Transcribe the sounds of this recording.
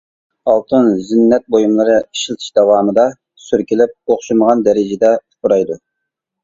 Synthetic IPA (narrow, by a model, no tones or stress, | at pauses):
ɑlˠt̪ʰɨnzinːɛt̪̚bojumlˠɨɾɨiʃilˠt̪ʰɨ̥ʃd̪ɛwɑːmɨd̪ɑ | syɾkʲilɪp̚oχʃuməʁɑnd̪ɛɾɪd͡ʒɪd̪ɛt̪ʰʊ̥pʰʊɾɑjd̪u